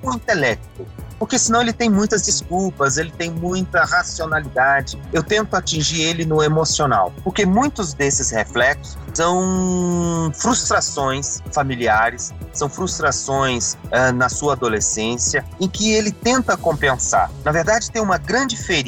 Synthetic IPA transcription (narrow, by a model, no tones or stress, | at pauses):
ʊĩnt̪elɛk̚t̪ʊpoɾkesɪ̃nɐ̃w̃elɪt̪ẽj̃mũj̃t̪ɐzd͡ʒiskulpɐzelɪt̪ẽj̃mũj̃t̪ɐhasionalid̪ad͡ʒɪewt̪ẽnt̪ʊat͡ʃĩʒiɾelɪnʊemosiona̰wpoɾkemũj̃t̪ʊzd̪esɪsheflɛksʊsɐ̃w̃ | fɾust̪ɾasõj̃sfamiliaɾɪssːɐ̃w̃fɾust̪ɾasõj̃sɛnɐsuɐːd̪olesẽsiɐẽkɪelɪt̪ẽnt̪ɐkõpẽsa̰ɾnɐveɾd̪ad͡ʒɪt̪ẽj̃ũmɐɡɾɐ̃nd͡ʒɪfeɾ